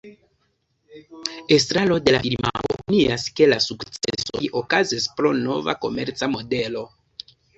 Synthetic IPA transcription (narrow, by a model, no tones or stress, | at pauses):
e̞s̬tɾalo̞de̞lafiɾma̰ʔo̰pniaske̞lasukt͡sḛso̞̰ʔo̞kazispɾo̞no̞̰va̰ko̞̰me̞̰ɾt͡samo̞de̞lo̞